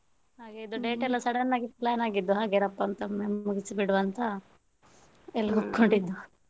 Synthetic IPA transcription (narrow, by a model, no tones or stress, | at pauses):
haːɡeid̪uɖeːʈɛlːɐsɐɽɐnːaːɡiplaːnaːɡid̪ːuɦaːɡeɾɐpːɐnt̪ɐmemuɡisibiɽuʋɐnt̪ɐ | ɛlːɐɦupko̞ɳɖid̪ːu